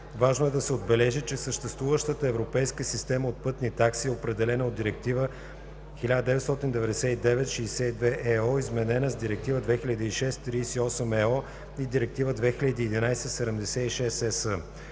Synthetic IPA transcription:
vaʒnoɛd̪ɐsɛod̪bɛlɛʒit͡ʃɛsəʃt̪ɛst̪vuvəʃt̪ət̪əɛvɾopɛjskəsist̪ɛməot̪̚pɤt̪nit̪aksiɛopɾɛd̪ɛlɛnəod̪iɾɛk̚t̪ivə | xilʲad̪əd̪ɛvɛt̪st̪ɔt̪ind̪ɛvɛd̪ɛsʲɛid̪ɛvɛt̪ʃijsɛid̪vɛʔɛɔizmɛnɛnəzd̪iɾɛk̚t̪ivəd̪vɛxiʎʲɐd̪iiʃɛst̪ːɾiːsiɔsɛmɛɔ | id̪iɾɛk̚t̪ivəd̪vɛxiʎɐd̪iːd̪inajsɛsɛd̪ɛmd̪ɛsɛiʃɛsɛsə

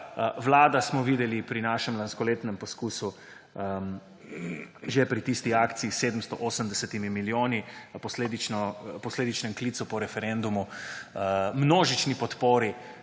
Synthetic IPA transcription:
ʋlaːd̪asmɔʋid̪ɛlipɾinaːʃɛmlanskɔleːt̪nɛmpɔskuːsu | ʒepɾit̪ist̪iaːkt̪siiseːd̪m̩st̪ɔʔoːsəmd̪ɛsɛt̪imimiljoːnipɔsleːd̪it͡ʃnɔpɔsleːd̪it͡ʃnɛmklisupɔɾɛfɛɾend̪umu | mnoːʒit͡ʃnipɔt̪poːɾi

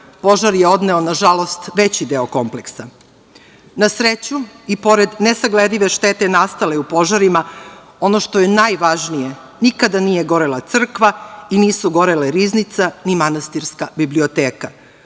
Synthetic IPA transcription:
po̞ʒaɾjeo̞d̪ne̞o̞naʒalo̞st̪ʋe̞t͡ɕid̪eoko̞mpleksa | nasɾet͡ɕuipo̞ɾed̪nesaɡled̪iʋe̞ʃt̪et̪enast̪ale̞upo̞ʒaɾima | o̞no̞ʃt̪o̞je̞najʋaʒnije | nikad̪anije̞ɡo̞ɾelˠat̪sr̩kʋainiːsuɡo̞ɾeleɾiznit̪sanimanast̪iɾskabiblio̞t̪eːka

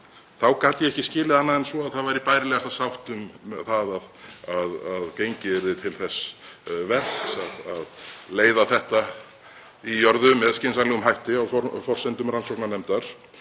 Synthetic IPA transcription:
θawkaːt̪jɛɛhcɪscɪːlɪðanːaðɛnsvɔaðθaðvaɾipaːjɾɪlɛːɣast̪asawht̪ʏmθaðaðaðaðcejɲcɪɛɾðɪt̪ʰɪlθɛsvɛr̥ksaðaðleːjðaθɛht̪a | ijɔɾðʏmɛðscɪnsanlɛɣʏmɦajht̪ɪawfɔfɔr̥sɛnt̪ʏmɾansɔknanɛmt̪aɾ̥

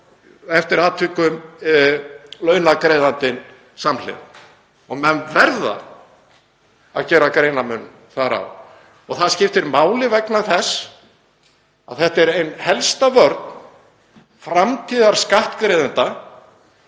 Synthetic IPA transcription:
ɛft̪ɪɾaːt̪ʰvɪːkʏm | lœːɥnakɾeːjðant̪ɪn | saml̥ɪ̰ | ɔɣmɛnvɛɾða̰ | a̰ðcɛːɾakɾeːjnamʏn | θaɾa̰w | ɔɣθaðscɪft̪ɪɾmaːwlɪvɛknaθɛsː | a̰ðθɛht̪ɛɾejnhɛlst̪avœɾt̪n | fɾamt̪ʰiːðaɾ̥skaht̪kɾeðɪnt̪a

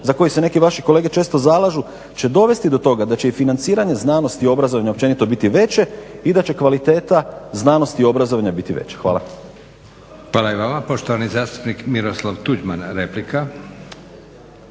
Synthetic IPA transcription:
zako̞jise̞ne̞kiʋaʃiko̞le̞ːɡe̞t͡ʃe̞ːst̪ozalˠaʒu | t͡ɕe̞d̪o̞ʋe̞st̪id̪o̞t̪o̞ɡad̪at͡ɕe̞ifinant̪siːɾaɲe̞znaːno̞st̪io̞bɾazoʋaɲaop̚t͡ʃe̞nit̪o̞bit̪iʋe̞t͡ɕe̞id̪at͡ɕe̞kʋalit̪e̞ːt̪aznaːno̞st̪io̞bɾazoʋaɲabit̪iʋḛt͡ɕe̥xʋa̰ːla̰ | xʋaːlaiʋamapo̞ʃt̪oʋanizaːst̪u̥pnikmiɾoslˠaʋt̪ud͡ʒmanɾeplika

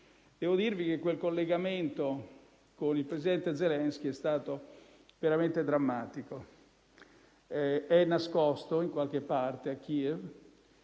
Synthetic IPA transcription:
d̪̥ɛːvod̪irvik̟ekːwelkolːeɡament̪o | konilpɾesid̪ɛnt̪ed̪zelɛnsk̟iɛst̪aːt̪o | veɾament̪ed̪ɾamːaːt̪iko | ɛɛnːaskɔst̪oiŋkwalk̟epːart̪eakːiɛv

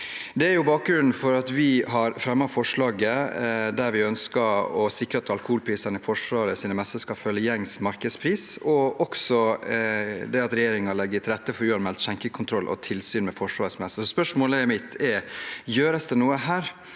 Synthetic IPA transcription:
d̪ɛæɾjʊbɑːk̚ɡɾʉnn̩fɔɾɑt̪ʋɪɦɑɾfɾɛmːɑfɔʂɭɑːɡəd̪æɾʋɪœnskəɔsɪkɾəɑt̪ʰɑlkʊhuːlpʰɾiːsənəfɔʂʋɑːɾəsiːnəmɛsːəskɑfœlːəjɛŋːsmɑɾkəd̪spʰɾiːsɔʔɔksɔ | d̪ɛɑt̪ɾɛjeːɾɪŋɑlɛɡːəɾt̪ɪlɾɛt̪ːəfɔɾʉːɑnmɛlt̪çɛŋkəkʰʊnt̪ʰɾɔlːʔɔ̰t̪ʰɪlsyːnmɛfɔʂʋɑːɾəsmɛsːəsɔspœʂmoːləmɪt̪ʰɛɾjøːɾəsd̪ɛnuːəɦæːɾ

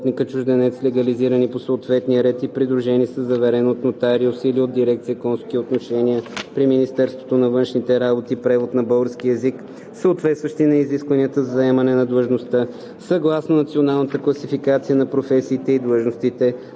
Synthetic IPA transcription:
t̪nikət͡ʃʊʒd̪ɛnɛt̪slɛɡɐliziɾəniposəːt̪vɛt̪nijəɾɛt̪ipɾid̪ɾuʒɛnisəzɐvɛɾɛnot̪not̪aɾiosiliod̪iɾɛkt̪sijəkɔnskiot̪noʃɛniəpɾiminist̪ɛɾst̪vo̥t̪onɐvɤnʃnit̪ɛɾabot̪ipɾɛvot̪nɐbolˠɾsk̟iɛzik | səot̪vɛt̪st̪vɐʃt̪inɐiziskvɐniət̪əzɐzɐɛmɐnɛnɐd̪lˠəʒnost̪ə | sɐɡlˠasnonɐt̪sionalˠnət̪əklˠɐsifikat̪sijənɐpɾofɛsiːt̪ɛid̪lˠəʒnost̪it̪ɛ

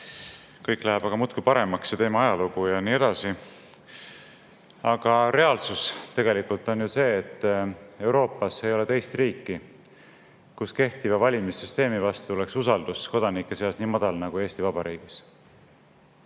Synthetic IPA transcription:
kɤjkːˑlæɦɛb̥ɑɡ̥ɑmut̪kupɑɾe̞mɑksjɑt̪e̞ːmɑɑjɑluɡ̥ujɑniːe̞d̪̥ɑsi | ɑɡ̥ɑɾe̞ɑlsust̪e̞ɡ̥e̞likult̪ːˑo̞njuse̞ːt̪ˑːe̞wɾo̞ːpːˑɑse̞jo̞le̞t̪e̞jst̪riːkːi | kuske̞ht̪ivɑvɑlʲimisːyst̪e̞ːmivɑst̪ule̞ksusɑld̪̥usko̞d̪̥ɑnikːˑe̞seɑsniːmɑd̪̥ɑlnɑɡ̥ue̞ːsʲt̪ivɑb̥ɑɾiːɡ̥is

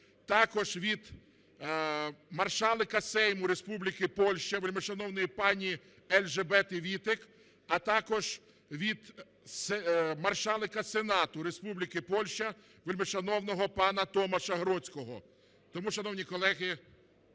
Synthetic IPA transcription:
t̪ɑkɔʒʋʲid̪ | mɐrʃɑlˠɪkɐsɛjmʊɾespublʲikɪpɔlʲʃt͡ʃɐʋelʲmɪʃɐnɔwnɪjipɑnʲi | ɛlʲʒebɛt̪ɪʋʲit̪ɪk | ɐt̪ɑkɔʒ | ʋʲid̪ | semɐrʃɑlˠɪkɐsenɑt̪ʊɾespublʲikɪpɔlʲʃt͡ʃɐ | ʋelʲmɪʃɐnɔwnɔɦɔpɑnɐt̪ɔmɐʃɐɦɾɔt͡sʲkɔɦɔ̰ | t̪ɔmuʃɐnɔwnʲikɔlˠɛɦɪ

